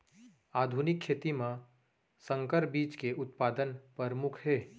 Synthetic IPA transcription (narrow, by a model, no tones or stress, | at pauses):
aːd̪ʱuːnɪkʰːeːt̪imã | sə̃ŋkəɾbiːt͡ʃkeʊt̪̚paːd̪ənpəɾmʊkʰɦɛː